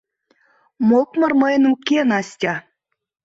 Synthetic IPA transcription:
mokmɤ̆rməjə̆nukenɑsʲtʲɑ

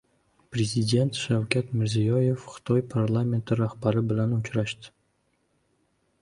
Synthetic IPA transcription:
pɾe̞zʲid̪ʲe̞nt̪ʃawkʲat̪mɪɾzijɒje̞fχɨ̥t̪ʰɒjpʰaɾlˠame̞nt̪ʰɪɾahbaɾɪbɪlanʊt͡ʃɾaʃd̪ɪ̥

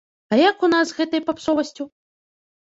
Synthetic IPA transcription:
ɐjakunazɣɛt̪ɐjpapsɔvɐsʲt͡sʲu

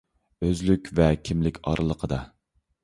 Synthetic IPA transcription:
øzlykʲvɛkʲʰimlɪkʲɑɾʔɨlˠəqʰəd̪ɑ

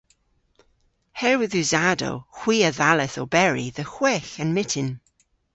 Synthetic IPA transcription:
hɛɹwɪðʉzado̰xw̥iːəðalɛθobɛɹiðəxw̥ɛːxənmɪtʰɪn

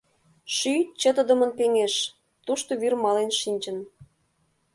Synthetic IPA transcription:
ʃyt͡ɕə̆t̪ə̆d̪ə̆mə̆npeŋeʃ | t̪uʃt̪oβyrmɑlenʃinʲt͡ɕə̆n

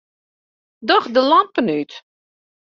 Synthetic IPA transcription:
dɔxdəlampənyt

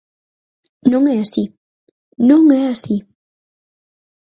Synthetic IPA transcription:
nõŋɛasi | nõŋɛasi

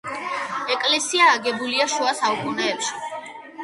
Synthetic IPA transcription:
ɛkʼlɛsiaːɡɛbuliaʃuasaukʼunɛːpʃi̥

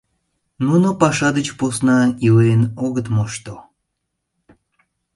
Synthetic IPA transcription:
nunopɑʃɑd̪ət͡ɕposnɑileənoɣət̪moʃt̪o

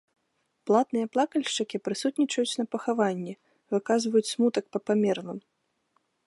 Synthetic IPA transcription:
plˠat̪nɨjɐplˠakɐlʲʂt͡ʂɐkʲipɾɨsut̪nʲit͡ʂɐjut͡sʲnɐpɐxavanʲːɛ | vɨkazvɐjut͡sʲsmut̪ɐk̚pɐpamʲɛrnɨm

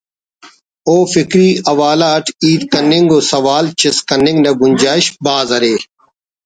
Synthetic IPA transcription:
oːfɪkɾiːɐʋaːlaːʈʰiːd̪kɐnɪŋɡoːsɐʋaːlt͡ʃɪskɐnːɪ̃ŋɡnɐɡʊnʲd͡ʒaːɪʃbaːzɐɾeː

